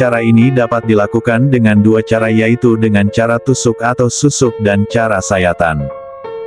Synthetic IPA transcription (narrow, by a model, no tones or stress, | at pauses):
aɾainidapat̪̚dilakukandəŋanduat͡ʃaɾajait̪udəŋant͡ʃaɾat̪usʊkat̪awsusʊk̚dant͡ʃaɾasajat̪a̰n